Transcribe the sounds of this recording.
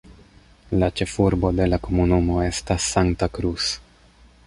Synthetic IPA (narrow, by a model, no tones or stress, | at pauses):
lat͡ʃe̞fuɾbo̞de̞lako̞munumo̞e̞stasːaŋtakɾus